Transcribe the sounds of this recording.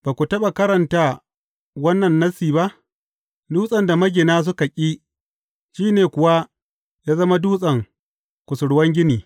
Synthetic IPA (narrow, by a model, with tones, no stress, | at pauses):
b̥aː˨kʷu˨tɐ˦ɓa˨kɐ˦ɾɐ˨nta˦ | wɐ˦nːɐ˨nːɐ˦siː˨ba˦ʔ | duː˦sʼɐ˨nda˨mɐ˦ɡʲɪ˨naː˦s̬ʊ˦ka˨kʲʼi˦ | ʃiː˦neː˨kʷʊ˨wa˦ | jaː˦zɐ˦ma˦duː˦sʼɐ˨ŋ | kʷʊ˨sʊ˨ɽwɐ˦ŋɡʲɪ˦niː˨